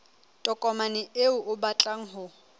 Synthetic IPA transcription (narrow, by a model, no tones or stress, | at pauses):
tʼɔkʼɔmanɪeʊʔʊbat͡ɬʼaŋ̩ɦʊ